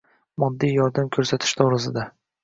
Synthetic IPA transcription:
mɒd̪ːijjɒɾd̪amkʲʰɵɾsat̪ʰɪ̥ʃd̪ɒɾɪsɪd̪a

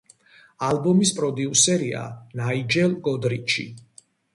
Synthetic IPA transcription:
albɔmispʼɾɔd̪iusɛɾia̰naid͡ʒɛlˠɡɔd̪ɾit͡ʃʰḭ

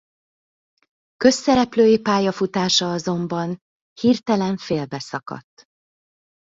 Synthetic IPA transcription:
kø̞sːɛɾɛpløːjipaːjɒfut̪aːʃɒɒzo̞mbɒn | hiːrt̪ɛlɛɱfeːlbɛsɒkɒ̰t̪ː

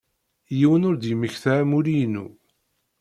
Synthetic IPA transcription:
jiwənʊɾd̪jəməçθæʕmuɾijnṵ

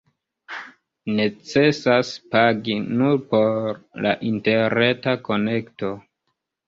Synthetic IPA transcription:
ne̞t͡se̞saspaɡinuɾpo̞ɾla̰ʔinte̞ɾne̞tako̞ne̞kto̞

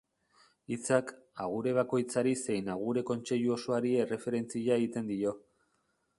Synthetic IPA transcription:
it͡sak | aɣ̞uɾe̞β̞ako̞jt͡saɾise̞jnaɣ̞uɾe̞ko̞nt͡se̞ʎuo̞so̞aɾie̞re̞fe̞ɾe̞nt͡siʎaeɣit̪e̞nd̪io̞

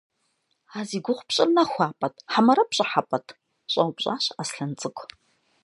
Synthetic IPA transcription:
aːziːɡʷʊχʷpɕʼɪrnɐxʷɑːpʼɐtʰʼħamɐɾɐpɕʼɪħapʼɐtʰ | ɕʼɐwpɕʼa̰ːɕasɬɐnt͡sʼɨkʷʰʼ

